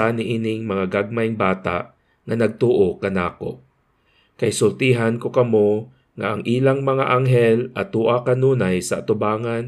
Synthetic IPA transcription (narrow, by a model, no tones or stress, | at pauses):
anɪʔiːnɪŋmɐŋaɡaɡ̚majŋbaːt̪a̰ʔ | ŋanɐɡ̚t̪oːʔokɐnaːko̰ | kɐjsʊlt̪iːɦankokɐmo | ŋaʔaŋʔiːlaŋmɐŋaʔaŋɦɛlʔɐt̪uːʔakanuːnajsɐʔat̪ʊbaːŋan